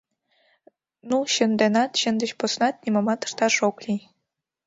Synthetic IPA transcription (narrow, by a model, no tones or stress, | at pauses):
nuɕə̆nd̪enɑt̪ɕə̆nd̪ə̆t͡ɕposnɑt̪̚nʲimomɑt̪ə̥̆ʃt̪ɑʃoklʲi